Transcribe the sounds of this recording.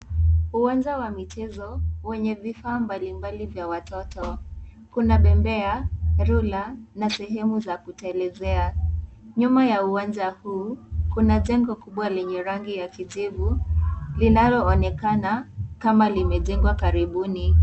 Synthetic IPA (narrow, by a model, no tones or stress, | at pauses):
uwand͡ʒawamit͡ʃɛzɔwɛɲɛvifaːmbalimbalivjawatɔtɔ | kunaɓɛmbɛaɾulanasɛɦɛmuzakutaɛlɛzɛaɲumajauwand͡ʒahuːkunaʄɛŋɡɔkuɓwalɛɲɛɾaŋɡijakiʄivulinalɔːnɛkanakamalimɛʄɛŋɡwakaɾiɓuni